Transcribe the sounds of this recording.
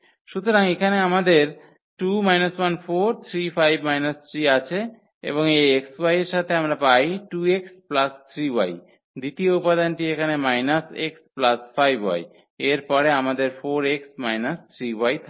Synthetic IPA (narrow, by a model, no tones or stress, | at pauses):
ʃut̪oɾaŋekʰaneamad̪eɾ | ʈumajnaswanfoɾt̪ʰɾifajbmajnast̪ʰɾiat͡ɕʰe | ḛboŋejekswajeɾʃat̪ʰeamɾapajʈueksplast̪ʰɾiwa̰j | d̪it̪ioupad̪anʈiekʰanemajnaseksplasfajbɦɔ̰j | eɾpɔɾeamad̪eɾfoɾeksmajnast̪ʰɾiwajt̪ʰ